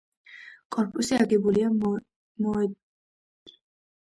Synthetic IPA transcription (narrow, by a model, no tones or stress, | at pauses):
kʼɔɾpʰusiaɡibulia | mɔ